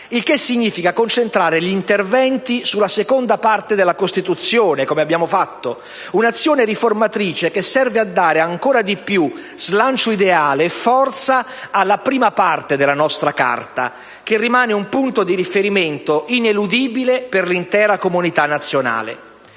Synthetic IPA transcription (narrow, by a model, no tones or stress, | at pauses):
ilkesːiɲːiːfikakont͡ʃent̪ɾaːɾeʎint̪ervɛnt̪isulːasekond̪apart̪ed̪elːakost̪it̪ut̪sːjoːnekomeabːjaːmofat̪ːo | unat̪sːjoːneɾiformat̪ɾiːt͡ʃekesːɛrvead̪ːaːɾeaŋkoːɾad̪ipːju | z̥lant͡ʃoid̪eaːleːfːɔrt̪sa | alːapɾiːmapart̪ed̪elanɔst̪ɾaka̰rt̪a̰ | kerːimaːneumpunt̪od̪iɾifeɾimeɪnt̪oʔinelud̪iːbileperlint̪ɛːɾakomunit̪anːat̪sːjona̰ːlḛ